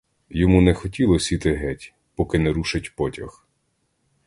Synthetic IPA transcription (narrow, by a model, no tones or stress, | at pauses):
jɔmunɛxɔtʲilˠɔsʲit̪ɪɦɛtʲ | pɔkɪnɛɾuʃɪtʲpɔtʲɐx